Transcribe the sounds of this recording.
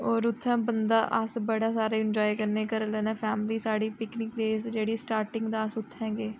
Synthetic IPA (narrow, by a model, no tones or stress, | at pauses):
ɔːɾʊt̪ʰːɛ̃ːbənd̪aːʔəsbəɽaːsaːɾeːɪnd͡ʒɔːikəɾneːkəɾlɛːnaːpʰɛːmliːsaːɽiːpɪknɪkɾeːsd͡ʒeːɽiːsʈaːɾʈɪ̃ŋɡd̪aːəsʊt̪ʰːɛ̃ːɡeː